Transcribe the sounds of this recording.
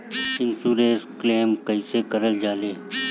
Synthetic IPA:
ɪnsuːɾeːskleːmkəisekəɾəld͡ʒaːleː

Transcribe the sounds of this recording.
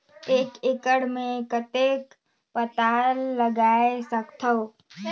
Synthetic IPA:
eːkɪkəɽmẽkət̪eːk | pət̪aːlːəɡaːesəkt̪ʰo

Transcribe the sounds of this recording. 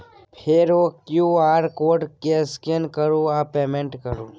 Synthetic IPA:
pʰeɾoːkjuaːɾkoːʈkeskenkəɾuapeːmẽɳʈkəɾuː

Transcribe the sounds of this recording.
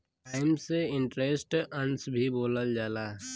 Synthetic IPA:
ʈaːɪmseɪ̃ɳʈɾeːsʈə̃nsbʱiboːləld͡ʒaːlaː

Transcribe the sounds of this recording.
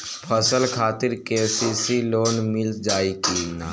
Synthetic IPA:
pʰəsəlkʰaːt̪ɪɾkeːsisiloːnmɪld͡ʒaːikinaː

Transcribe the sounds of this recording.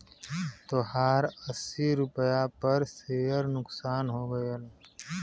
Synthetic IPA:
t̪oɦaːɾəsːiɾʊpəjapɐɾseːjəɾnʊksaːnɦoːɡəj

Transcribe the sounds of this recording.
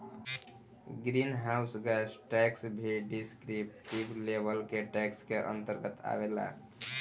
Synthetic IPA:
ɡɾinɦaʊsɡɛsʈɛksbʱiɖiskɾipʈiblebəlkeʈɛkskeʔə̰nt̪əɾɡət̪a̰bela̰

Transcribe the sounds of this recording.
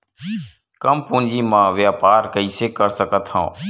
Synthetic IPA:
kəmpũːnd͡ʒiːmãːʋjaːpaːɾkəiːseːkəɾsəkət̪ʰhã̰ː

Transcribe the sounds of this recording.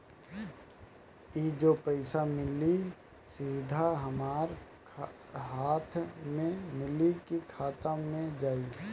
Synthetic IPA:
iːd͡ʒopəɪsamɪli | siːd̪ʱaɦɐmaːɾ | ɦaːt̪ʰmẽmɪlikikʰaːt̪amẽd͡ʒaːi

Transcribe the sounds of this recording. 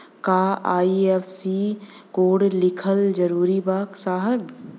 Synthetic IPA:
kaːaːiefsi | koːɽlɪkʰəld͡ʒəɾuːɾibaːksaːɦəl

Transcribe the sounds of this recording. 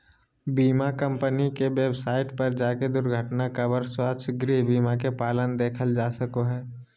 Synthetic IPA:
biːmakə̃mpənikeweːbsaːɪʈpɐɾd͡ʒaːked̪ʊɾɡʱəʈnakəbəɾswat͡ʃʰɡɾibiːmak̬epaːlənd̪eːkʰəld͡ʒaːsəkoɦɛː

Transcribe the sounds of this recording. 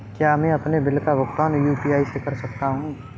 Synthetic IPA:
kjaːmẽɐpnebɪlkaʋʊkt̪aːnjuːpiːaːisekɐɾsɐk̚t̪aɦũː

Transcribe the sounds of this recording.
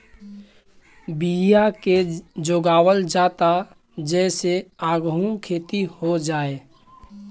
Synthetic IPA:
bijaked͡ʒoːɡaːwəld͡ʒaːt̪a | d͡ʒɛːseaːɡɦũkʰeːt̪ihod͡ʒaːe

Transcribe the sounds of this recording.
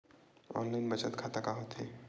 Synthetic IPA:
ɔ̰ːnlaɪnbət͡ʃət̪kʰaːt̪akaɦot̪ɦɛ̰

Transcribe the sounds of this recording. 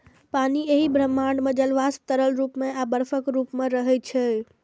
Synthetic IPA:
panieɦibʱɾəmːãɳɖmẽd͡ʒəlʋast̪əɾəlɾupmẽabəɾfəkɾupmẽɾəɦɛt͡ʃʰɛ

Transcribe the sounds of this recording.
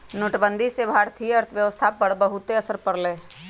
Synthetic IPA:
nʊʈbə̃nd̪ʱisebʱaːɾt̪ʰijəɾt̪ʰʋjəʋəst̪ʰapəɽbəɦʊt̪ːeɐsəɾpəɾleː

